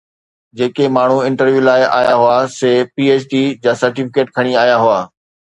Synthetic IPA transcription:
d͡ʑeːkemaːɳ̤uɪ̃ɳʈəɾʋjuːlaːɪʔa̰ːjaɦʊaseːpiːeːt͡ɕɖid͡ʑaːsɐɾʈɪfɪkeːʈkʰɐɽ̃iaːjaɦʊaː

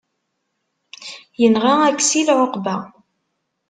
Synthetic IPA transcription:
jənʁaækːsilʕoqbæ

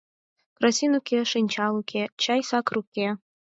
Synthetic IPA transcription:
krasinukʲʰeʂɨnʲt͡ʃʰalˠukʲʰet͡ɕʰajsakʰrukʲe

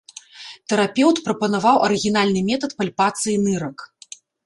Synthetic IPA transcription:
t̪ɛɾapʲɛwt̪pɾɐpɐnavawʔɐɾɨɣʲinalʲnɨmʲɛt̪ɐt̪palʲpat̪sɨjinɨɾɐk

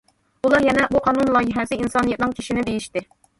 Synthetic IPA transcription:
ulˠɑɾjɛnɛbuqʰɑnunlˠɑjɪɦɛzɨinsɑnɨjɛt̪̚nɨŋkʲʰi̥ʃinɪbejiʃt̪ɪ

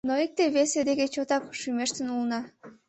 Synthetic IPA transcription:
noik̚t̪eβesed̪eɣet͡ɕot̪ɑkʃymeʃt̪ənulənɑ

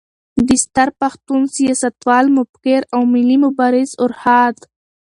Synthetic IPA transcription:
b̪ɪst̪aɾpaxt̪unsijɑsat̪wɑːlmʊbkeɾawmɪlimʊbɑɾɪzʊɾhɑd̪

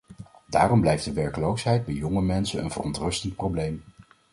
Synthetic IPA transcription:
da̰ːrɔmblɛjfdəʋɛɹkəlowsɦɛjd̚bɛjjɔŋəmɛnsənə̰nvərɔntrɵstənt̚prowblejm

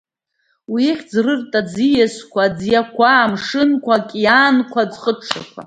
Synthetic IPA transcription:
wiχʲd͡zrɨrtʼad͡zijaskʷʰad͡zjakʷʰaːmʂɨnkʷʰakʲʼjaːnkʷʰad͡zχəʈ͡ʂʰa̰kʷʰa̰

